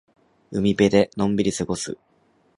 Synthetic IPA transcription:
ɯ̟mʲibe̞d̪e̞nõ̞mbʲiɾʲisɨɡo̞sɨ̰

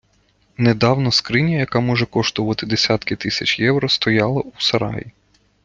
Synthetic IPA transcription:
ned̪ɑwnɔskɾɪnʲijɐjɐkɑmɔʒɛkɔʃt̪ɔʋɐt̪ɪd̪esʲat̪kɪt̪ɪsʲɐt͡ʃʲjɛwɾɔst̪ɔjɑlˠɐusɐɾɑ̰ji

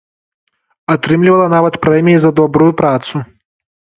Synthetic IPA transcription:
at̪ɾɨmlʲivɐlˠɐnavɐt̪pɾɛmʲijizɐd̪ɔbɾujupɾat̪su

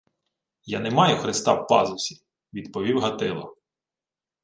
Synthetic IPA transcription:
janɛmɑjɛxɾɪst̪ɑwpɑ̰zʊsʲi̥ | ʋʲid̪pɔʋʲiwɦɐt̪ɪlˠɔ̰

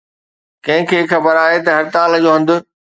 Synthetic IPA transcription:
kɐ̃ɦɪ̃kʰeːxʰɐbəɾaːɦet̪ɐɦɐɾɪt̪aːld͡ʑoːɦɐ̃nd̪ʊ̆

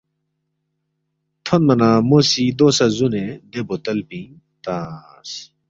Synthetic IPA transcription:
t̪ʰonmɐnamosid̪osɐzuned̪ebot̪ɐlpĩ | t̪a | s

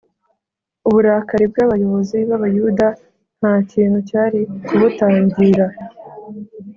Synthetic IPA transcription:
uβuɾaːkaɾibɡaːβajo̞βo̞ziβaβajuda | n̥haːciːn̥hucaːɾikuβutaːɲɟiɾa

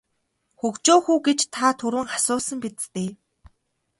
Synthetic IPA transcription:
xɵkt͡ɕoːxuːɡet͡ɕt̪ʰat̪ʰɵɾwɘ̆ŋχḁsʊːsə̆mpet̪t̪eː

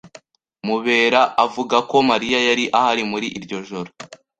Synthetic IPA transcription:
muβe̞ːɾaʔavuɡako̞maɾijajaɾiʔahaɾimuɾiʔiɾɟo̞ʒo̞ɾo

